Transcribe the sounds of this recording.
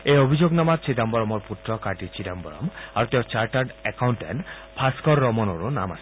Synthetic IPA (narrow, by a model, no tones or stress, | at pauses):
eobʱid͡ʑoɡnamat͡ɕʰid̪ambɔɾɔmoɾput̪ːɾɔkaʈit͡ɕʰid̪ambɔɾɔ̰maɾt̪eot͡ɕaɾʈaɾɖɛkawɳʈḛn | pʰaskɔɾːɔmɔnoɾona̰ma̰ʃʰi̥